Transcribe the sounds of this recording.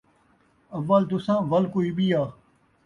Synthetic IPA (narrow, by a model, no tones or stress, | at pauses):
ɐʋːəlt̪ʊsãːʋɐlkoːiːɓijaː